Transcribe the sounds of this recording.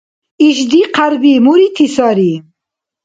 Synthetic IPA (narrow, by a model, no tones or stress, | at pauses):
iʃd̪iqaɾbimuɾit̪ʰisɑɾi